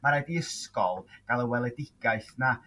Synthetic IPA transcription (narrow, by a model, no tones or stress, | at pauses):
maɾajdiəskɔ̰lˠɡ̥alˠəwɛlˠɛdɪɡ̥aɨθna